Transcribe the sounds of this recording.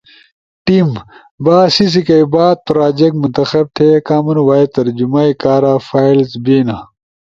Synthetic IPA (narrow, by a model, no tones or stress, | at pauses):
ʈim | baːsis̬ikɐibaːt̪̚pɾaːd͡ʑek̚munt̪ɐxɐb̚t̪ʰekaːmunwaːet̪ɐɾd͡ʑumaikaːɾaːfaːilsbeːna